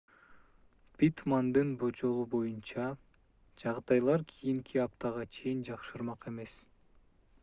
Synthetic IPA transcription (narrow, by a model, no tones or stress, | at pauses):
pʲit̪mand̪ɯnbo̞t͡ʃo̞lˠubo̞junt͡ʃɑ | d͡ʒɑʁd̪ɑjlˠɑɾkʰijiŋkʰiɑp̚t̪ʰɑʁɑt͡ʃʰe̞jind͡ʒɑqʃɯɾmɑqe̞me̞s